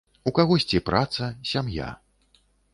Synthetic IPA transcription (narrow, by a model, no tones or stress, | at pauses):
ukaɣɔsʲt͡sʲipɾat̪sɐsʲamja̰